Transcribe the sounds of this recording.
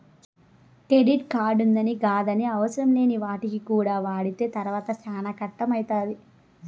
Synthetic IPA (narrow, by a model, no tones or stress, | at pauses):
kɾeɖiʈ̚kaːɖund̪ɐniɡaːd̪ɐniɐʋɐsɐɾɐmle̞ːniʋaːʈikikuːɽaːʋaːɽit̪e̞ːt̪ɐɾʋaːt̪ɐsaːnɐkɐʈːɐmɐjit̪aːd̪i